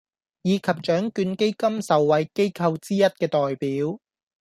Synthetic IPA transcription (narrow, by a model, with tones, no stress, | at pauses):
jiː˨˧kʰɐ˨p̚t͡ʃœː˨˥ŋkyː˧nke˥jkɐ˥msɐ˨wːɐ˨˧jke˥jkʰɐ˧wt͡siː˥jɐ˥t̚kɛː˧t̪ɔː˨jpiː˨˥w